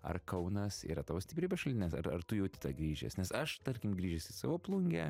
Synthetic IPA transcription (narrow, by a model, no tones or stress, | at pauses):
ɐ̰rkɐʊnɐsḭːɾɐt̪ɑːʋoːsʲt̪ʲɪpɾʲiːbʲɛsʃɐlʲd̪ʲɪnʲeːsɐ̰ɾɐ̰rt̪ʊjɛʊt̪ʲɪ̥t̪ɑɡɾʲiːʒʲɛ̰snʲɛsɐʃt̪ɐɾʲkʲɪmɡɾʲiːʒʲɛsɪsɑːʋoːplˠʊŋʲɡʲɛ̰